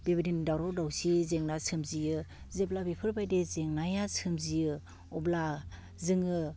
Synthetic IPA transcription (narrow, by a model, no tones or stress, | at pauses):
b̥ebdindawɾɔdawsizeŋnasʰɯmzijɯ | zeblabipʰɯɾbajdezeŋnajasʰɯmzijɯ | ɔbla | zɯŋɯ